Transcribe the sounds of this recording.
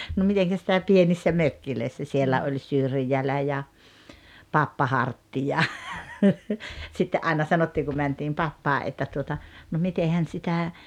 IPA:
no miteŋkæ sitæ pienisːæ møkːiløisːæ sielæ olʲ syrjælæ jɑ pɑpːɑ hɑrtːi jɑ sitːe ʔɑinɑ sɑnotːiːŋ ku mæntiːm pɑpːɑːʔ ʔetːæ tuotɑ no mitehæn sitæ

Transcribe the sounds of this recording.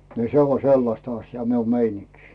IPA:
ni se o selːɑstɑ ɑsjɑː miu meiniŋki̥

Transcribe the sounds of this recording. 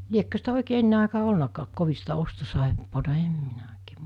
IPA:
liekːø sitæ oˑikeː enːe ɑˑikɑː olnɑkɑːk koʋi sitæ ostosɑˑepːoːtɑ em minæ oˑikeː

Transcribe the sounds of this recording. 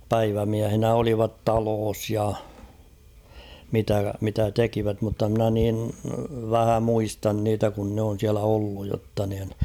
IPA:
pæiʋæmiæhinæ oliʋɑt tɑloːs jɑ mitæ mitæ tekiʋæt mutːɑ mnæ nin ʋæhæ muistɑn niːtæ kun nĕ on̞ siælæ olːuj jotːɑ niːn

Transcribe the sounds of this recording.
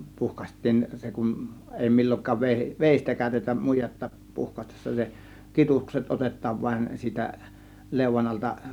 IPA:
puhkɑsʲtˑiːn se kun eˑi milʲːoŋkˑɑːʋ ʋe ʋeˑistæ kæˑø̝tetæm mujetːɑ puhkɑstesːɑ se kitukset otetˑɑːʋ ʋɑĭn siːtæ leˑuʋɑn ɑltɑ

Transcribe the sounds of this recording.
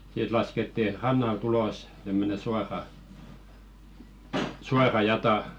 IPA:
sit lɑsketːi rɑnːɑlt ulos tæmːøne suɑrɑ suɑrɑ jɑtɑ

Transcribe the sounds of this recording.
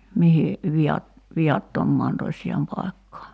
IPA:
mihi ʋiɑt ʋiɑtːomːɑːn tosʲjɑːm pɑi̞kːɑː

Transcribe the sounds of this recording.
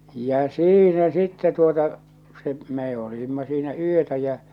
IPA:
jæ̠ siːnæ sitːɛ tuotɑ se meː oliˑmːɑ siːnæ yøtæ jæ

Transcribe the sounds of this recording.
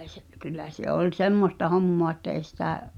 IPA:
se kylˑæ se olʲ semːostɑ homːoɑ etːæ eˑi̞ sitæ

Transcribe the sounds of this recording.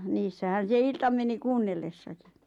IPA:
niːsːæhæn̞ se iltɑ meni kuːnːelːesːɑki̥

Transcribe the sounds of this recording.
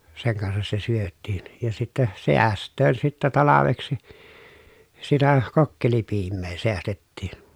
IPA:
seŋ kɑnsɑs se syøtːiːn jɑ sitːɛ seæstˑøːn sitːæ tɑlɑʋeksi sitæ kokːelipiːmːeː seæstetːiːn

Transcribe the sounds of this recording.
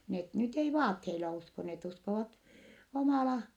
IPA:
net nyt ei ʋɑːtheilɑ usko net uskoʋɑt omɑˑlɑ

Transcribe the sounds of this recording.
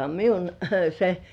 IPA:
miun se

